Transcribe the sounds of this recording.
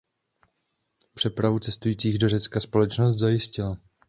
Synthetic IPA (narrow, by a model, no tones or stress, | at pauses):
pr̥ɛpɾavut͡sɛst̪ujiːt͡siːɣdo̞rɛt͡skaspo̞lɛt͡ʃnos̬t̪zajɪscɪla